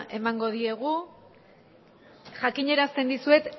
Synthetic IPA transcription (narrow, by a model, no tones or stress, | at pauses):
e̞maŋɡo̞ðie̞ɣ̞u | ʝakiɲe̞ɾast̪e̞nd̪isue̞t̪